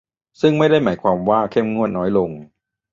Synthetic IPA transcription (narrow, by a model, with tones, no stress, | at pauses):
sɯ˥˩ŋma˥˩jda˥˩jmaː˩˦jkʰwaː˧mwaː˥˩kʰe˥˩mŋu˥˩ət̪̚nɔː˦˥jlo˧ŋ